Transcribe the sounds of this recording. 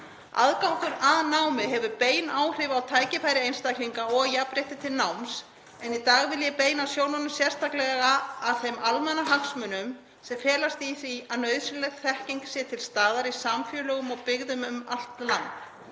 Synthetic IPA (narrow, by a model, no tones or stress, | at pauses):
a̰ðkawk̪ʏɾaðnawmɪɦɛvʏpeːjnaːwr̥ɪvawt̪ʰaːjcɪfaːjɾɪejnst̪ajkliŋkaɔɣjapɾejht̪ɪt̪ʰɪlnawms | ɛnit̪aːɣvɪljɛpeːjnawsjoːwnanʏsjɛr̥st̪ʰaklɛɣaɣaːðθejmalmanaɦaksmʏnʏm | sɛmfɛːlast̪iθiaðnœɥðsʏnlɛɣθɛhcejŋksjɛt̪ʰɪlst̪aːðaɾisamfjœːlœɣʏmɔɣpɪɣðʏmʏmal̥t̪lant̪